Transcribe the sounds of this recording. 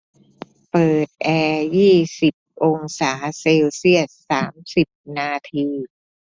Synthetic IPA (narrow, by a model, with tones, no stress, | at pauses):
pɤː˨˩t̪̚ʔɛː˧jiː˥˩si˨˩p̚ʔo˧ŋsaː˩˦se˧wsi˥˩ət̪̚saː˩˦msi˨˩p̚naː˧t̪ʰiː˧